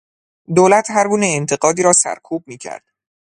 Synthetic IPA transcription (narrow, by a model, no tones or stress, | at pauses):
d̪oːlæt̪ʰhæɾɡuːneent̪ʰe̞ɢɒːd̪iːɾɒːsæ̰ɾkʰuːb̚miːcʰæ̰ɾd̪̥